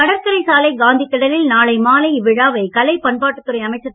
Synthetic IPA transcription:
ɐɽɐɾkɐɾɐɪsaːlɐɪɡaːnd̪ikːɐɽɐlɪlnaːlɐɪmaːlɐɪʋɪɻaːʋɐɪkɐlɐɪpɐɳpaːʈːɯt̪ːɯɾɐɪɐmɐɪt͡ʃːɐ

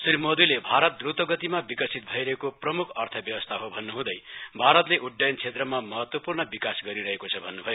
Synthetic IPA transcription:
srimod̪ulebʱaɾʌt̪̚d̪rut̪wʌɡʌt̪imabikʌsʰit̪̚bʱʌjɾʌɦekoprʌmukʰʌrt̪ʰʌbjʌwʌst̪ʰaɦobʱʌnːuɦũd̪ʌjbʱaɾʌt̪leʔuɖːajnt͡sʰet̪rʌmamʌɦʌt̪wʌpurnʌbikasɡʌɾiɾʌɦekot͡sʰʌbʱʌnːubʱʌjo

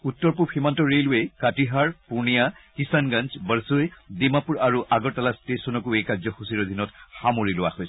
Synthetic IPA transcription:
utːɔɹpuphimantɔɹeluekatiɦaɹpuɹnijakisanɡant͡ʃbəɹsojdemapuɹaɹuʔaɡɔɹtalastesɔnɔkuejkazɔxusiɹɔd̪ʱinɔtxamoɹilʊwa̰hojsɛ

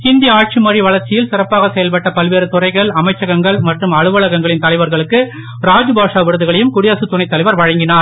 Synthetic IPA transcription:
ɪnd̪ɪjɐaːʈ̚t͡ʃimɐriʋɐɭɐɾt͡ʃɪjɪlsɪrɐpːaːɣɐsɛjɐlpɐʈːɐpɐlʋeːɾɯt̪ʊrɐɪɣɐɭɐmɐɪt͡ʃːɐɣɐŋɡɐɭmɐʈrɯmɐɻɯʋɐɭɐɣɐŋɡɐɭɪnt̪ɐlɐɪʋɐɾɣɐɭɯkːɯ | ɾaːd͡ʒɯbaːʂaːʋɪɾɯðɯɣɐɭɐjɯmkʊɽɪjɐsɯt̪ːʊnɐɪt̪ːɐlɐɪʋɐɾʋɐɻɐŋɡɪnaːɾ

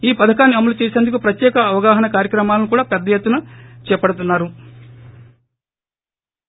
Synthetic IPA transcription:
iːpɐd̪ɐkaːnːiɐmɐlut͡ʃeːseːnd̪ukupɾɐt̪jɛːkɐːʋɐɡaːɦɐnɐkaːɾjɐkɾɐmaːlɐnukuːɽaːpɛd̪ːɐjet̪ːunɐt͡ʃɛːpɐɽut̪̬unːaːɾu

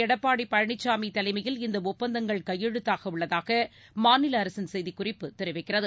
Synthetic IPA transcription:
ɛɽɐpːaːɽipːɐɻɐɳɪt͡ʃːaːmit̪ːɐlɐɪmɐjɪlɪnd̪ɐʊpːɐnd̪ɐŋɡɐɭkɐjːɛɻɯt̪ːaːɣɐʊɭːɐðaːɣɐ | maːnɪlɐːɾɐsɪnsɛjðikʊrɪpːɯt̪ɛɾɯʋɐɪkːɪrɐðɯ

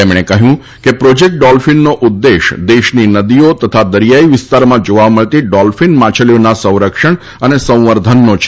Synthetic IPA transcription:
t̪emɽ̃ekəɦjũ | kepɾod͡ʒek̚ʈ̚ɖɔlfinːoʔʊd̪ːeʃd̪eʃninəd̪iot̪ət̪ʰad̪əɾijaiʋɪst̪aɾmãd͡ʒoʋaməɭt̪iɖɔlfinmãt͡ʃʰəljonasə̃w̃ɾəkʃəɳ | ənesə̃w̃ʋəɾd̪ʱənːot͡ʃʰ

